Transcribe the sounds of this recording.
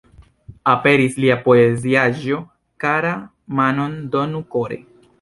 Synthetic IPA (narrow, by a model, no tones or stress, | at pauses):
ape̞ɾisliapo̞eziaʒo̞ | kaɾa | mano̞ndonukoɾe̞̰